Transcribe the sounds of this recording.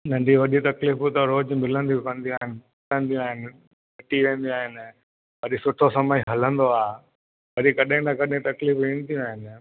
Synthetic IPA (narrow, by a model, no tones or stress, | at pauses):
nɐ̃ɳɖiʋɐɗit̪ɐkliːfut̪ɐɾoːd͡ʑmɪlə̃nd̪ijũkɐ̃nd̪iũaːɦɪnɪ̆ | ɪlə̃nd̪ijũaːɦɪnɪ̆ | ɐʈiʋẽːn̆d̪iũaːɦɪnɪ̆ | ʋɐɗisʊʈʰosɐməiɦɐlə̃nd̪oaː | ʋɐɗikɐɗɪ̃nɐkɐɗɦɪ̃t̪ɐkliːfʋĩːnd̪ijũaːɦɪnɪ̆